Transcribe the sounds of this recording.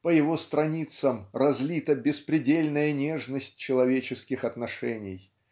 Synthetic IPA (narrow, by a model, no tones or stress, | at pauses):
pəjɪvo̞st̪ɾɐnʲit̪səmrɐzʲlʲit̪əbʲɪspɾʲɪdʲelʲnəjənʲe̞ʐnəsʲt̚ʲt͡ɕːɪlˠɐvʲet͡ɕɪskʲɪxɐt̪nɐʂɛnʲɪj